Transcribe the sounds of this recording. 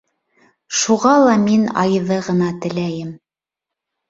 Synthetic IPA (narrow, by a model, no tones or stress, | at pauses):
ʃuʁɑlˠɑminɑ̰jɤðɤʁɤ̆nɑt̪ɘ̆læjɘm